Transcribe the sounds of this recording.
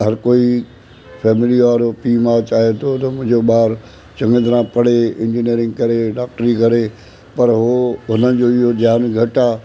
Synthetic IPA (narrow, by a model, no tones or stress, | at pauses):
ɦɐɾkoːi | fʰɛːmɪliʋaːɾopiːmãt͡ɕaːɦet̪ʰot̪ɐmʊ̃ɦɪ̃d͡ʑoɓaːɾ | t͡ɕɐ̃ŋəd̪ɾãpɐɽ̤eɪ̃ɲd͡ʑiniəɾɪ̃ŋɡkɐɾeɖaːk̚ʈɾikɐɾe | pɐɾɦoːɦʊnənd͡ʑoːɪɦod͡ʑaːnɡʱɐʈaː